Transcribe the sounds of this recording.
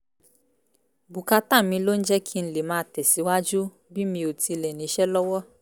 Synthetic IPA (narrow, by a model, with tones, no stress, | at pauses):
bu˨ka˧ta˦˨mĩ˧lo˦n̩˦d͡ʒɛ˦kʰi˦n̩˨˦le˨mãː˨˦tɛ˨si˨˦wa˦d͡ʒu˦ | bi˦mĩ˧o˨ti˧lɛ˨nĩ˨˦ʃɛ˦lɔ˦wɔ˦